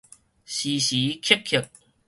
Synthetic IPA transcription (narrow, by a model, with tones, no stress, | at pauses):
ɕi˨˩ɕi˨˦kʰi˥k̚ʰi˨˩k̚